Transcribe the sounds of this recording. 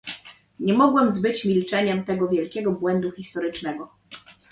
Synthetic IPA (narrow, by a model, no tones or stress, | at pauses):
ɲɛmɔɡwɛmzbɘt͡ɕmʲilt͡ʂɛɲɛmt̪ɛɡɔvʲjɛlkʲɛɡɔbwɛnd̪uxʲist̪ɔɾɘt͡ʂnɛɡɔ